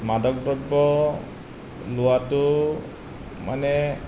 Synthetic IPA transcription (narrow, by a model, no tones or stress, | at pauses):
madɔk̚dɔk̚bɔ | luatu | manɛ